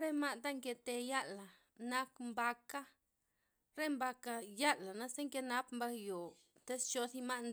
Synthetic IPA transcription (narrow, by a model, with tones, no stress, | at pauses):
ɾe˦ma˦t̪a˦ŋke˧t̪e˧ja˦la˨ | na˧kmba˧ka˦ | ɾe˦mba˧ka˧ja˦la˨na˦se˦ŋke˧na˦pmba˧kjo˨ | t̪e˦st͡ʃo˧si˦ma˦ʔn